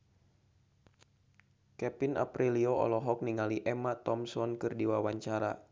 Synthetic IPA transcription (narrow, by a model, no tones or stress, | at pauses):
kɛpina̰pɾiliɔɔ̰lɔɦɔk̚niŋaliʔɛmat̪ɔmsɔnkɨrdiwawaɲt͡ʃaɾa̰